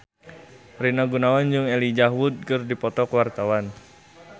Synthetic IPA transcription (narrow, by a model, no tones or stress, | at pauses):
rinaɡunawand͡ʒɨŋɛlid͡ʒaɦwʊd̪̚kərdipɔt̪ɔkwart̪awan